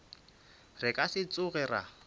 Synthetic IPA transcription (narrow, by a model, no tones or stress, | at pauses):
rɪkʼasɪt͡sʼʊɣɛra̰